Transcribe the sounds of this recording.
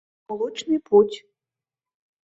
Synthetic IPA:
lˠut͡ʃnɨpʰutʲ

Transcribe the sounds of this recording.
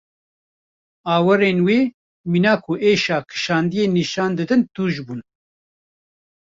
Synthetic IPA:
ɑːwɨɾeːnweː | miːnaːkʰuʔeːʃaːkʰɨ̥ʃaːnd̪ijeːniʃaːnd̪ɨd̪ɨnt̪uːʒbuːn

